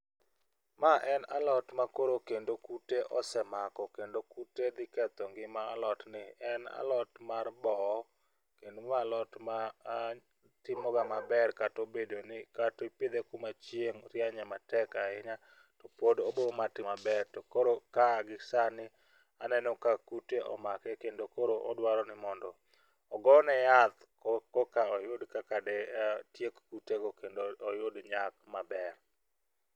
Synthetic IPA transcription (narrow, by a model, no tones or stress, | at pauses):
maʔɛna̰lɔtmakoɾokendokuteʔɔsɛmakɔkendokuted̪ɪkɛt̪ɔŋɡɪmaːlɔtnɪɛna̰lɔtmarbɔ | kendomalɔtma | tɪmɔɡamabɛrkatobedonɪkatoiped̪ekumat͡ʃjeŋɾjaɲɛmatɛkaɪɲa | tɔpodobomatɪmabɛɾtɔkoɾokaɡɪsanɪ | anɛnɔkakuteʔɔ̰makɛkendokoɾoʔɔ̰dwaɾɔnɪmɔndɔ | ɔɡɔnɛjat̪ | kɔkaɔjʊdkakadɛtjekkutekokendoːjʊdɲak̚mabɛr